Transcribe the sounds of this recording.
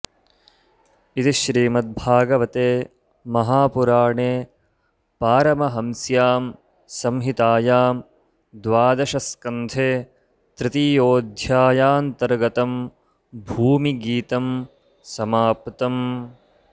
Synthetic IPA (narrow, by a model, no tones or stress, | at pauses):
it̪iʃɾiːmɐt̪̚bʱaːɡɐʋɐt̪eː | mɐɦaːpuɾaːɳeː | paːɾɐmɐɦɐmsjaːm | sɐmɦit̪aːjaːm | d̪ʋaːd̪ɐʃɐskɐnd̪ʰʱeː | t̪ɾɪt̪ijoːd̪ʱjaːjaːnt̪ɐɾɡɐt̪ɐm | bʱuːmiɡiːt̪ɐm | sɐmaːpt̪ɐm